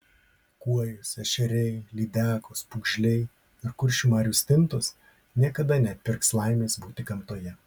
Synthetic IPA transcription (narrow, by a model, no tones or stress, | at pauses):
kuɔjʊsɛʃʲɛɾʲɛɪlʲiːd̪ʲæːkospʊːɡʒʲlʲɛɪ | ɪɾkʊɾʲʃʲuːmɑːɾʲuːsʲt̪ʲɪnt̪ʊs | nʲiɛkɐd̪ɐnʲɛt̪ʲpʲɪɾkslˠɐɪmʲeːsbuːt̪ʲɪkɐmt̪oːjɛ